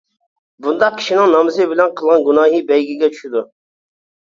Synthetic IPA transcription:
bund̪ɑq̚kʲʰi̥ʃinɪŋnɑmɨzɨbɪlɛnqʰəlˠʁɑnɡunɑːɦibɛjɡʲiɡʲɛt͡ʃʰy̥ʃid̪u

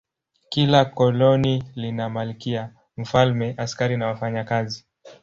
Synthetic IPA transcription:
kilakɔlɔnilinamalikia | m̩falmɛʔaskaɾinawafaɲakazi

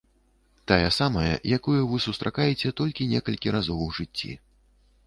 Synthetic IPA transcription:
t̪ajɐsamɐjɐ̰jakujuvɨsust̪ɾʔakajɛt͡sʲɛt̪ɔlʲkʲinʲɛkɐlʲkʲiɾazɔwʐɨt͡sʲːḭ

